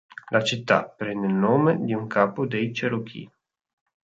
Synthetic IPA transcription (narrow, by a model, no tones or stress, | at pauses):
lʔat͡ʃit̪ːa̰pɾend̪elnomed̪iuŋkʰapud̪ejt͡ʃeɾokʰḭ